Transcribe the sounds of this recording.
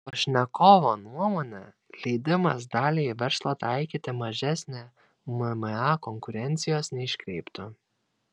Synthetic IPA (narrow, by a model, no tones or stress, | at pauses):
poʃʲnʲɛkoːʋoːnuɔmoːnʲɛ | lʲɛɪd̪ʲɪmɐs̬d̪ɑːlʲeːiʋʲɛɾslˠɐt̪ɑɪkʲiːt̪ʲɪmɐʒʲæsʲnʲe | mmɛɑːkɔŋkʊɾʲɛnʲt̪sʲɪjoːsnʲɛɪʃʲkʲɾʲɛɪpt̪ʊ